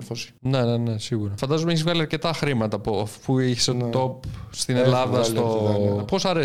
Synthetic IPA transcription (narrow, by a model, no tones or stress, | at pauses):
fosi̥ne̞nene̞siɣuɾɐfɐnd̪ɐzomeeçizvɣɐliɐɾce̞t̪ɐxɾimɐt̪ɐpuɐffuiçeset̪t̪opst̪inelɐðɐst̪oposɐɾe